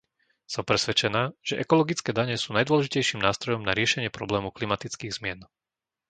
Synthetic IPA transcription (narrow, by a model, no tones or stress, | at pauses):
sɔmpɾɛsʋɛt͡ʃɛnaːʒ̥ɛʔɛkɔlɔɡit͡skɛːd̪aɲɛsuːnajd̪ʊwɔlɛʒicɛjʃiːmnaːst̪ɾɔjɔmnaɾɪɛʃɛɲɪɛpɾɔblɛːmɔʊklimat̪it͡skiːɣzmɪɛn